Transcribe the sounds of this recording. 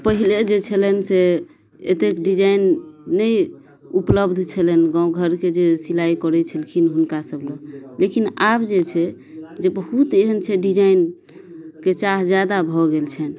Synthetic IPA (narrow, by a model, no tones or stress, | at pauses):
pəɦiled͡ʒet͡ʃʰəlɛnse | et̪ekɖid͡ʒainːəj | upləbd̪ʱt͡ʃʰəlɛnɡãũɡʱəɾked͡ʒesilaikɔɾɛt͡ʃʰəlkʰinɦunkasəbləlekinabd͡ʒet͡ʃʰɛ | d͡ʒebəɦut̪eɦənt͡ʃʰɛɖid͡ʒain | ket͡ʃaɦd͡ʒjad̪abʱɔɡelt͡ʃʰɛn